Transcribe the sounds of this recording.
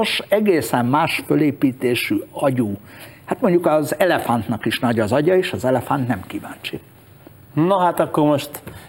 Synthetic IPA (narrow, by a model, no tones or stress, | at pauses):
oʃɛɡeːsɛmmaːʃføleːpiːt̪eːʃyɒɟuːhat̪mo̞ɲɟukɒzɛlɛfant̪nɒkiʃnɒɟɒzɒɟɒeːʃɒzɛlɛfant̪nɛmkivaːnt͡ʃi | noɦat̪ɒkːoɾmoʃt̪